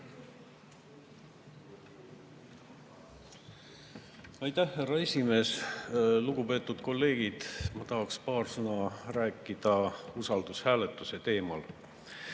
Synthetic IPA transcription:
ɑjt̪æhːærɑe̞sʲime̞ːsluɡupe̞ːt̪ːˑud̪̥ko̞lːe̞ːɡ̥id̪̥mɑt̪ɑɦɑkspɑːrsɤnɑræːkːˑid̪̥ɑusɑld̪ushæːlet̪ːˑuse̞t̪e̞ːmɑl

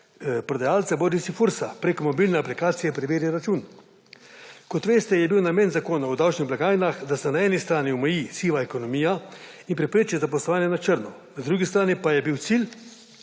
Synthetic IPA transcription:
pɾɔd̪ajaːlt̪saboɾisifuɾsapɾeːkɔmɔbilnɛaplikaːt̪sijɛpɾɛʋeːɾjaɾat͡ʃun | kɔt̪ʋeːst̪ɛjɛbiwnameːnzakoːnawd̪awt͡ʃniɣblaɡaːjnaxd̪asɛnaɛːnist̪ɾaːniɔmɛjisiːʋaɛkonɔmiːjainpɾɛpɾeːt͡ʃizap̬ɔslɔʋaːnjɛnat͡ʃəɾnɔ | nad̪ɾuːɡist̪ɾaːnipajɛbiw̪sil

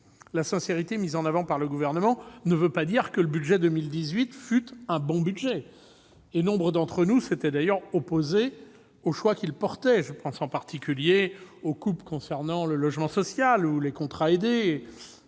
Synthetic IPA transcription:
lasɛ̃seʁit̪emizɑ̃navɑ̃paʁləɡuvɛʁnəmɑ̃nəvøpad̪iʁkələbyd̪ʒɛd̪əmild̪izɥit̪fyt̪ɛ̃bɔ̃byd̪ʒɛ | enɔ̃bʁəd̪ɑ̃t̪χənuset̪ɛd̪ajœʁɔpoze | oʃwakʲilpɔʁt̪ɛʒəpɑ̃sɑ̃paʁt̪ʰikʲyljeokupkɔ̃sɛʁnɑ̃ləlɔʒmɑ̃sɔsjalulekɔ̃t̪χaed̪e

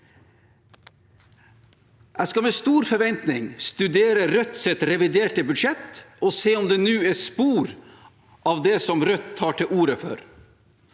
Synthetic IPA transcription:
ʔæskɑmɛːst̪uːɾfɔɾʋɛnt̪nɪŋst̪ʉd̪eːɾəɾœt̪sɛt̪ɾɛʋɪd̪eːʈəbʉd̪ʂɛt̪ɔseːɔmd̪ɛːnʉːɛspuːɾ | ʔɑːʋd̪ɛsɔmɾœt̪ʰːɑːʈʰɪuːɾəfø̰ːɾ

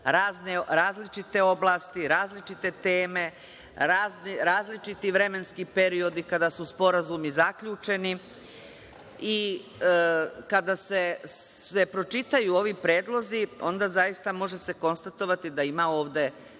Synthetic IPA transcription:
ɾaːzneɾaːzlit͡ʃit̪e̞o̞blˠaːst̪iɾaːzlit͡ʃit̪e̞t̪eːme̞ | ɾaːznɾaːzlit͡ʃit̪iʋɾe̞me̞nskipe̞ɾio̞d̪ikad̪asuspo̞ɾazumizakʎuːt͡ʃe̞ni | i | kad̪ase̞ | e̞pɾo̞t͡ʃit̪ajuːo̞ʋipɾe̞ːd̪lˠo̞zio̞̰nd̪azajist̪amo̞ʒe̞se̞ko̞nst̪at̪o̞ʋat̪id̪aimao̞ːʋd̪e̞

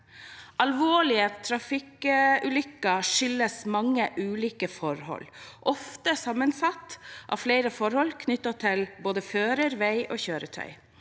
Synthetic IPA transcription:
ʔɑlʋoːɭɪət̪ʰɾɑfɪkʉːlʏkːɑʂʏləsmɑŋːəʔʉːliːkəfɔɾhɔ̰lːʔɔft̪əsɑmːənsɑt̪ːʔɑ̰ːfleɪɾəfɔɾhɔlkʰnʏt̪ːɑt̪ʰɪlboːd̪əføːɾəɾʋæɪʔoːçøːɾət̪ʰœ̰ʏ

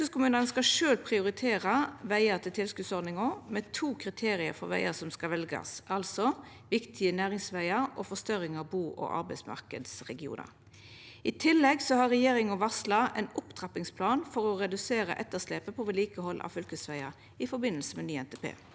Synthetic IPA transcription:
əskʊmʉːnənskɑʂøːlpʰʁɪʊɾɪt̪ʰeːʁəʋæɪət̪ʰɪlt̪ʰɪlskʉːd̪sɔʁd̪nɪŋɔmɛt̪ʰuːkʰʁɪt̪ʰeːɾɪə̰ɾfɔɾʋæ̰ɪəsɔmskɑʋɛlɡɑ̰sɑlsɔ | ʋɪkt̪ʰɪənæːʁɪŋsʋæɪəɾɔfɔst̪œɾɪŋɑbuːʔɔ̰ʔɑ̰ɾbæɪsmɑ̰ʁkəd̪sʁɛɡɪṵːnə̰ɾ | ɪt̪ʰɪlːɛɡsɔhɑɾʁɛjeːʁɪŋɔʋɑslɑɛnʊpt̪ʰʁɑpɪŋspʰlɑːnfɔɾɔɾɛd̪ʉseːɾə̰ʔɛt̪ːəʁsleːpəpʰɔʋɛliːkəhɔlːʔɑ̰ʋfʏlkəsʋæɪə | ɪfɔɾbɪnːəlsəmɛnyːɛnt̪ʰɛpʰḛː

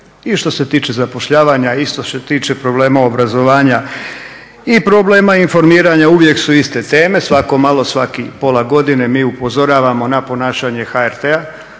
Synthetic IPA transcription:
iʃt̪o̞se̞t̪iːt͡ʃezapo̞ʃʎaːʋaːɲaiʃt̪oset̪iːt͡ʃe̞pɾo̞bleːmao̞bɾazo̞ʋaːɲa | ipɾoble̞ːmainfo̞ɾmiːɾaɲauʋje̞ksuist̪e̞t̪eːme̞sʋako̞malˠo̞sʋakipo̞lˠaɡo̞d̪ine̞miːupo̞zo̞ɾaːʋamo̞napo̞naːʃaɲe̞xaeɾt̪ea

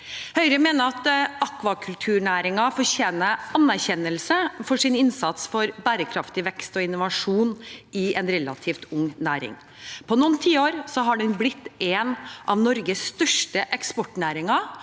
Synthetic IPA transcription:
hœʏɾəmeːnəɾɑt̪ɑkʋɑkʰʉlt̪ʰʉːɳæːɾɪŋɑfɔɾçeːnəɑnːæɾçɛnːəlsəfɔʂɪnɪnsɑt̪sfɔɾbæːɾəkʰɾɑft̪ɪʋɛkst̪ɔɪnʊʋɑʂuːnɪɛnɾɛlɑ̰t̪ʰiːft̪ʊŋnæːɾɪ̰ŋ | pʰɔnuːnt̪ʰiːoːɾsɔɦɑɖɛnblɪt̪ːeːnʔɑʋnɔɾɡəsːt̪œʂʈəʔɛkspɔʈɳæːɾɪŋɑ

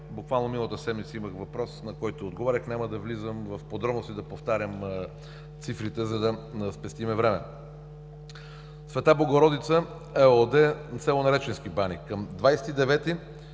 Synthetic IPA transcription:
bukvalˠnomilˠət̪əsɛd̪mit̪səiməxvɐpɾɔsnɐkɔjt̪oːd̪ɡovaɾʲəxnʲaməd̪ɐvlizəmvɐfpod̪ɾɔbnost̪id̪ɐpoft̪aɾʲjəm | t̪sifɾit̪ɛzɐd̪ɐspɛst̪imɛvɾɛmɛ̰ | svɛt̪ablˠoɡoɾɔd̪it̪sə | ɛod̪ɛt̪sɛlˠonɐɾɛt͡ʃɛnskibanikːɐmd̪vajsɛ̥t̪id̪ɛvɛt̪i

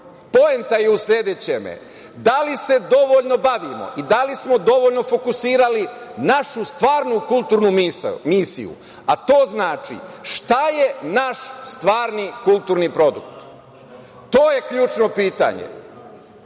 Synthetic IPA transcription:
po̞ent̪ajeusʎeːd̪et͡ɕemḛ | d̪alise̞d̪o̞ʋo̞ʎno̞baʋimo̞̰ʔid̪alismo̞d̪o̞ʋo̞ʎno̞fo̞kusiːɾalinaʃust̪ʋaːɾnukulˠt̪uːɾnummiːsḭjṵ | at̪o̞ːznaːt͡ʃḭʃt̪ajenaʃst̪ʋaːɾnikulˠt̪uːɾnipɾo̞d̪ṵkt̪ | t̪oːje̞kʎuːt͡ʃno̞piːt̪a̰ɲḛ

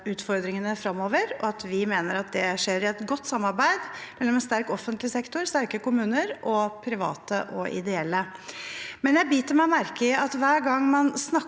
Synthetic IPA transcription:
ʉːt̪fɔɾd̪ɾɪŋənəfɾɑmːoːʋəɾɔɑt̪ʋɪmeːnəɾɑt̪̚d̪ɛʂeːɾɪɛt̪ɡɔt̪ːsɑmːɑɾbæɪd̪mɛlːɔmɛnst̪æɾkɔfːənt̪lɪsɛkt̪ʊɾst̪æɾkəkʊmʉːnəɾʔɔpʰɾɪʋɑ̰ːt̪əʔɔɪ̰d̪ɛɛlːə | mɛnjæɪbiːt̪ʰəlmæɪɔmæɾkəɑt̪ʋæːɾɡɑŋːmɑnsnɑ

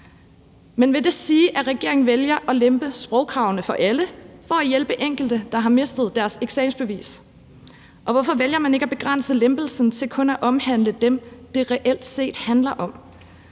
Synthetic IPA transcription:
menʋe̝d̥e̝siːʔæʁɛɡ̥e̝̰ɐeŋn̩ʋeljɐʔɒ̽lemb̥əsb̥ʁɒʊkʰʁɑ̈ʊnəfɒ̽ʔæləfɒ̽æjelb̥əʔeŋ̰ɡ̥l̩d̥əd̥ɑ̈ɦɑ̈me̝sd̥ð̩ˠd̥æɐseɡ̥sɛːmsb̥e̝ʋḭːs | ʔɒ̽ʋɒfɒ̽ʋeljɐmæne̝ɡ̥æb̥e̝ɡ̥ʁɑn̰səlemb̥l̩sn̩t͡sʰe̝lkʰɔ̽næʔɒ̽mhæn̰ləd̥emd̥e̝ʁɛʔel̰d̥se̝̰ːd̥hænlɐʔɒ̽m

